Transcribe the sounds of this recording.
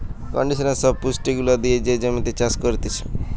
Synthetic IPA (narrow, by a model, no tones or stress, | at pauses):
kɔ̰ɳɖisənesɔb̚pusʈiɡulad̪ied͡ʒed͡ʒəmĩnt̪it͡ʃaskɔɾit̪it͡ʃʰe̥